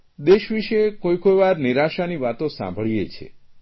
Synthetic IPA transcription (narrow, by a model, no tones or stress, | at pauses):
d̪eʃʋiʃekojkojʋaɾniɾaʃaniʋat̪osã̰mbʱəɭijet͡ʃʰḛ